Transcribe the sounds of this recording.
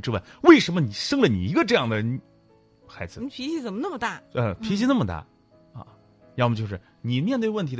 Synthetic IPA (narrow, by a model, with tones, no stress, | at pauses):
ʈ͡ʂɻ̩˥wa˥˧˩ɪwe˥˩ɪʂə˧˥nmə˧ni˨˩ʂɤ˥ŋlə˨nḭ˨˩i˧˥ɡə˧ʈ͡ʂɤ˥˧jɑ˥˩ŋd̪ə˩˥n | xa˧˥ɪd͡zɹ̩˧pʰi˧˥t͡ɕi˧˥t͡sə˨˩nmə˦nə˥˩mə˧t̪a˥˩ə˧pʰi˧˥ɕi˥na˥˩mə˧t̪a̰˥˩ | ɐ̰˥˧˩ | ɻmə˩t͡ɕjo˥˧ʊʂɻ̩˥˩ | ni˨˩mjɛ˧nt̪we˥˧ɪwə˥˩nt̪ʰi˧˥